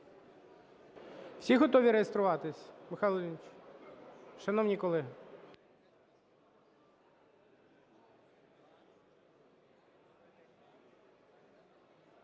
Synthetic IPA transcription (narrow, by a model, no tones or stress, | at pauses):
w̥sʲiɦɔt̪ɔʋʲiɾejest̪ɾʊʋɑt̪ɪsʲmɪxɑlˠɔnʲt͡ʃ | ʃɐnɔwnʲikɔlˠɪ